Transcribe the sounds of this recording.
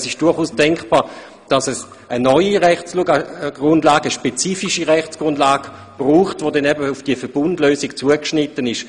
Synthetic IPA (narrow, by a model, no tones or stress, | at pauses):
sɪʃd̥ʊɐχuːsd̥ɛŋkb̥aːɐ | d̥ɑsɛs | ənɔʏiʁɛχt͡sluɡaɡ̥ʁʊndlaːɡəəʃpɛt͡siːfiʃiʁɛχt͡sɡ̥ʁʊndlaːɡ̥ə | b̥ʁuːχtvodɛnɛbəufd̥iəfɛɐb̥ʊndløːsikt͡suəkʃnɪtənɪʃ